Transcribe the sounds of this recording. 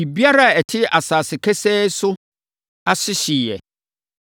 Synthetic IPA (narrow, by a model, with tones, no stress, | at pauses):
i˨bi˦a˦ɾa˦˨ɛ˨tʰɪ˦a˨saː˨sɪ˨kʰɛ˦sɛ˦sʊ˦ | a˦sɪ˦ɕi˨jɛ̰˨